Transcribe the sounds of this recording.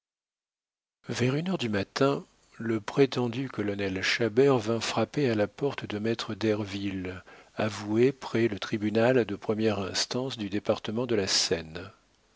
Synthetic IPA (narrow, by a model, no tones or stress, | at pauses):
vɛʁynœʁd̪ymat̪ɛ̃ | ləpχet̪ɑ̃d̪ykɔlɔnɛlʃabɛʁvɛ̃fχapealapɔʁt̪d̪əmɛt̪χəd̪ɛʁvilavuepχɛlət̪χibynald̪əpχəmjɛʁɛ̃st̪ɑ̃sd̪yd̪epaʁt̪əmɑ̃d̪əlasɛn